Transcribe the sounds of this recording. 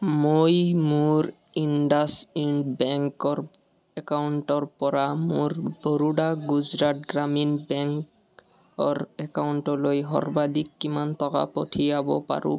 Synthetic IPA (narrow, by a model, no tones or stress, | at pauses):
mojmuɾ | iɳɖasiɳɖbɛŋkɔɾ | ɛkauɳʈɔɹpɔɾamoɾboɾuɖaɡuzɾatɡɾaminbɛŋk | ɔɾɛkauɳʈɔlojɦɔ̰ɹbad̪ikːimant̪ɔka̰pɔʈʰijabɔ̰pa̰ɾṵ̃